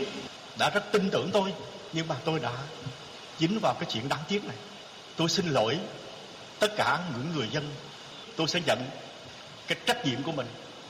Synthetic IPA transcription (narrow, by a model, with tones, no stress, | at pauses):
ɗa̰ː˧˥zə˦˥t̚t̪ï˧ŋt̪ɨ̰˧˩əŋt̪o˧j | ɲɨ˧ŋmaː˨˩t̪o˧jɗa̰ː˧˥ | t͡ɕi˨˦ŋvaː˨˩wkaː˨˦jt͡ɕwḭ˧˨nɗaː˨˦ŋt̪i˦˥ət̚na˨˩j | t̪o˧jsi˧nlo̰˧˩j | t̪ə˦˥t̚kaː˧˩ɲɨ̰˧˥ŋːɨ˨˩əjzə˧n | t̪o˧jsɛ̰˧˥zə̰˧˨n | kaː˨˦jt͡ɕa˦˥k̚ɲḭ˧˨əmku˧˩əmï˨˩ŋ̟